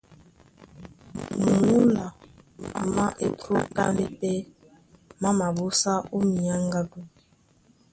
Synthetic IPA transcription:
m˨mu˦la˨ | ma˦ʔe˦pʰɾo˦ka̰˦mbe˦pe˦ | ma˦ma˨bu˦sa˦u˦mi˨a˦ŋ˦ɡa˦ɡu˦˨

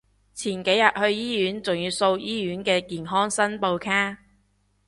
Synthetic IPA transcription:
t͡sʰiː˨˩nke˨˥jɐ˨t̚hɵ˧ɥjiː˥jyː˨˥nt͡sʊ˨˩ŋjyː˨˧wso˧wjiː˥jyː˨˥nkɛː˧kiː˨nɦɔː˥ŋsɐ˥npo˧wkʰaː˥

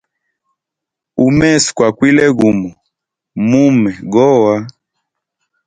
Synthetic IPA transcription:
u˨mɛ˦skwa˨kwi˦lɛ˦ɣu˨mɔ˨ | mu˦mɛ˨ɡɔ˦wa˦

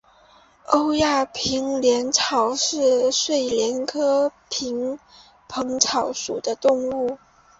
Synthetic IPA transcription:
o˥ʊja˥˩pʰi˧˥ŋljɛ˧˥nʈ͡ʂʰɑ˨˩ʊʂɻ̩˥˧ʂwe˥˩ɪljɛ˧˥nkʰɤ˥pʰi˧˥ŋ | pʰɤ˧˥ŋʈ͡ʂʰɑ˨˩ʊʂu˨˩d̪ə˦t̪ʊ˥˧ŋu˥˩

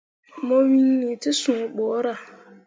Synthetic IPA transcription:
mɔ˦wi˦nːi˨tɪ˦sũ˨bɔː˨˦ɾa˨

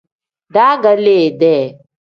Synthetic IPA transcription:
ɖaː˦ɡə˦leː˨d̪ɛ˨

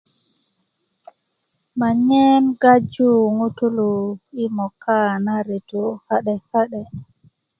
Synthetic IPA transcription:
ma˨ɲɛ˦mɡa˦d͡ʒu˦ŋu˦tu˦lu˨i˦mɔ˨kːa˦naɾi˨tɔ˨ha˦ɗɛ˨ha˦ɗɛ˨

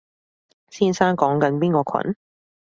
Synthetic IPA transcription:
siː˥nsaː˥nkɔː˨˥ŋkɐ˨˥npiː˥nkɔː˧kʰɐ̰˨˥n

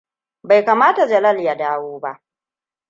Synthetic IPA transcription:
ba˨jkaː˨maː˦ta˨d͡ʒɐ˨lɐ˦lja˦daː˦woː˦ba˦ʔ

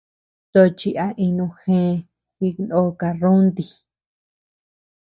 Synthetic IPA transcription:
t̪o˧t͡ʃi˧ʔa˧ʔi˧nũ˧xẽ˧˦˧ | ki˧no˧˦˧ka˧rũ˦nd̪i˧

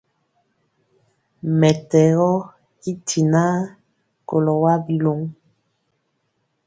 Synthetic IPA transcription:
mɛ˨tɛ˨ɣɔ˦ | i˦tʰi˨na˦ | ko̰˨lɔ˨wa˦bi˦lo˦ŋ

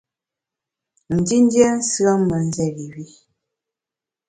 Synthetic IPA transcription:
n̩˨di˦n˦djɛ˦n̩˦si˦ə˦mə˨n̩˦zɛ˦˨ɣi˨wi˦

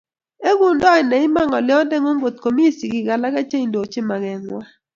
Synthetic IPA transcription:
e˦ɡu˨ndɔ˦ɪ˨nɛ˨ɪ˦ma˦ŋɔ˨lɪ˦ɔ˦dɛ˦ŋo˦ŋɡo˨t̪̚ko˨mi˦si˨ɡɪ˨ɡa˨la˦ka˦t͡ʃe˦i˨ndo˨t͡ʃɪ˦ma˨ɡɛ˨ŋwa˦

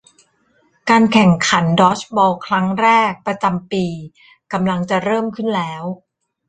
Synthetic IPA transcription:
kaː˧nkʰɛ˨˩ŋkʰa˩˦ndɔː˦˥t͡ɕʰbɔː˧kʰɾa˦˥ŋɾɛː˥˩k̚pɾa˧t͡ɕa˧mpiː˧ | ka˧mla˧ŋt͡ɕa˨˩ɾɤː˥˩mkʰɯ˥˩nlɛː˦˥w

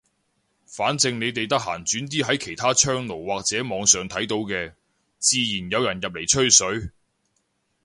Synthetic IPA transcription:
faː˨˥nt͡sɪ˧ŋne˨˧jt̪e˨jt̪ɐ˥k̚ɦaː˨˩nt͡syː˨˥nt̪̬iː˥ɦɐ˨˥jkʰe˨˩jt̪ʰaː˥t͡ʃʰœː˥ŋlo˨˩wwaː˨k̚t͡sɛː˨˥mɔː˨˧ŋsœː˨˩ŋt̪ʰɐ˨˥jt̪o˨˧wkɛː˧ | t͡siː˨˧jiː˨˩njɐ˨˧wjɐ˨˩njɐ˨p̚le˨˩jt͡ʃʰɵ˥ɥsɵ˨˥ɥ

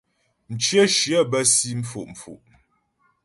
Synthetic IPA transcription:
n̩˨t͡ʃjə˦ʃjə˦bə˦si˦m̩˦fṵ˨ʔm̩˨fṵ˨ʔ

